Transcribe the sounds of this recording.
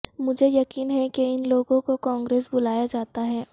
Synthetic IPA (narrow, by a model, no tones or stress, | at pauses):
mʊd͡ʒʱejɐkiːnɦɛkeɪnloːɡõkokãːŋɡɾeːsbʊlaːjad͡ʒaːt̪aɦɛː